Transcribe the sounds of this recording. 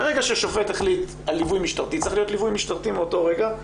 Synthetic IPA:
beʁeɡaʃeʃofe̞teχlit̪ | alːivujmiʃtaʁt̪itt͡saiχlio̞tlivujmiʃtaʁt̪imeoto̞ʁeɡa

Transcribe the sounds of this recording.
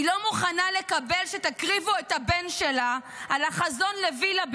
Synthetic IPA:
ilo̞muχanale̞kabe̞lʃet̪akʁivuet̪habenʃela | ʔalaχazo̞nle̞vilab

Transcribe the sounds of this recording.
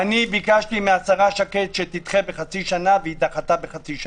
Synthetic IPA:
anibikaʃt̪imeasaʁaʃaket̪ʃet̪it̪χebeχat͡siʃanaveit̪aχat̪abeχat͡siʃa

